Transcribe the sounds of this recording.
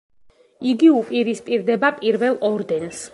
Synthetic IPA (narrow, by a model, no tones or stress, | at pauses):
iɡiupʼiɾispʼiɾd̪ɛbapʼiɾvɛlˠɔɾd̪ɛns